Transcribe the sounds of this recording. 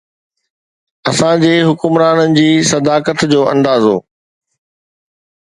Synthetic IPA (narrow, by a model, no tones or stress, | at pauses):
ɐsãd͡ʑeːɦʊkʊmɾaːnənɪ̆d͡ʑiːsɐd̪aːkət̪d͡ʑoːʔɐ̃nd̪aːzo̰ː